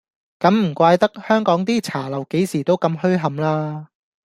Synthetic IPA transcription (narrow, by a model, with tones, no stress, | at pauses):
kɐ˨˥mm̩˨˩kʷaː˧jt̪ɐ˥k̚hœː˥ŋkɔː˨˥ŋt̪iː˥t͡sʰaː˨˩lɐ˨˩wke˨˥jsiː˨˩t̪o˥wkɐ˧mhɵ˥ɥɦɐ˨˧mlaː˥